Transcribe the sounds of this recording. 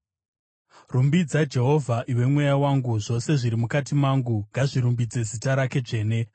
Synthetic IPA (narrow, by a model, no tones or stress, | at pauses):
rumbid͡zad͡ʒe̞ɦo̞vʱaʔiwe̞mwe̞jawaŋɡuʐo̞se̞ʐiɾimukatimaːŋɡuŋɡʱaʐiɾumbid͡ze̞zitaɾake̞d͡ʐe̞ːne̞